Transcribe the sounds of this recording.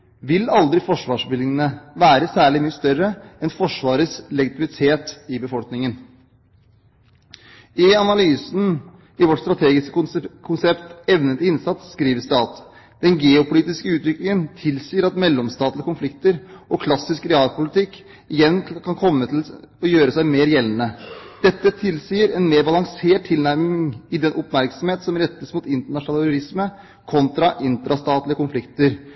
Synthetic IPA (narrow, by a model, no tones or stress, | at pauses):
ʋɪlɑld̪ɾɪfɔʂʋɑːʂbɪlɪŋənəʋæːɾəsæːɭɪmyːəst̪œɾəɛnfɔʂʋɑːɾəslɛɡɪt̪ɪmɪt̪ʰeːt̪ɪbəfɔlknɪŋən | ɪɑnɑlyːsn̩ | ɪʋɔʈst̪ɾɑt̪ʰeːɡɪskəkʰʊnsɛpt̪ɛʋnət̪ɪɪnsɑt̪sːkɾiːʋəst̪ɑːt̪ | d̪̥ɛnɡeːʊpʊliːt̪ɪskəʉːt̪ʋɪklɪŋənt̪ʰɪlsiːəɾɑt̪mɛlːɔmst̪ɑːt̪lɪəkʊnflɪkt̪əɾʔɔkʰlɑsːɪskɾɛɑːlpʊlɪt̪ʰɪkː | ɪjɛnkʰɑnkʰɔmːət̪ʰɪlɔjøːɾəsæɪmeːɾjɛlːnəd̪̥ɛt̪ːət̪ʰɪlsiːəɾɛnmeːɾbɑlɑŋseːʈ̚t̪ʰːɪlnæɾmɪŋŋɪd̪ɛnʔʊpmæɾksɔmheːt̪sɔmɾɛt̪ːəsmut̪ɪnt̪əɳɑʂnɑːlɾʊɾɪsmə | kʰɔnt̪ɾɑʔɪnt̪əɾɑst̪ɑːt̪lɪəkʊnflɪkt̪əɾ